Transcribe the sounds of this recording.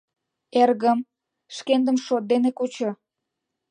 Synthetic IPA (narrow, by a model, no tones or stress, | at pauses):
erɣəm | ʃkend̪əmʃot̪̚d̪enekut͡ɕo